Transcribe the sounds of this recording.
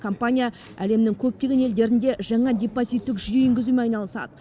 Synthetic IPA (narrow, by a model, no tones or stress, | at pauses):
kʰo̞mpanʲija | æle̞mnɪŋkʲʰɵp̚t̪ʲe̞ɡʲene̞ld̪e̞ɾɪnd̪e̞ʒɑɴɑd̪ʲe̞pozijt̪ːɪkʒʏje̞ʏŋɡʲɪzumeɑjnɑlˠəsɑ̰d̪ə